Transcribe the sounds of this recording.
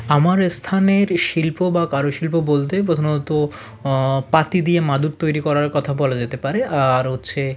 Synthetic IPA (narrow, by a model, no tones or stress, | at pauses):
amaɾst̪ʰaneɾʃilpobakaɾoʃilpobolt̪ep̬ɾot̪ʰonoot̪o | pat̪id̪iemad̪uɾt̪ojɾikɔɾaɾkɔt̪ʰabɔlad͡ʑet̪epaɾeʔaɾɦot̪ːɕʰe